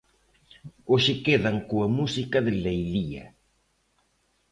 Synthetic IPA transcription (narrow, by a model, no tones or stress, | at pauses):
oʃɪkeðɐŋkoɐmusikɐðɪlejliɐ̰